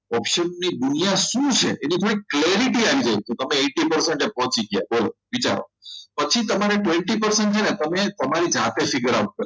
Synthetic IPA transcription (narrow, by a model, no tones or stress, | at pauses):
ɔpʃənːid̪unijaʃũt͡ʃʰḛʔenit̪ʰoɾikleɾiʈiaʋid͡ʒajket̪əmeeʈipəɾseɳʈepɔɦɔ̃t͡ʃiɡja̰boloʋit͡ʃa̰ɾo̰pət͡ʃʰit̪əmaɾeʈʋẽɳʈipəɾseɳʈ̚t͡ʃʰenet̪əmet̪əmaɾid͡ʒat̪efɪɡəɾaut̪̚kə